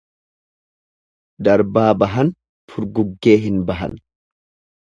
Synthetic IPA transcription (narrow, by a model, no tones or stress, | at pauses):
d̪ɐɾbaːbɐɦɐn | fʊɾɡʊɡːe̞ːɦɪnbɐɦɐ̰n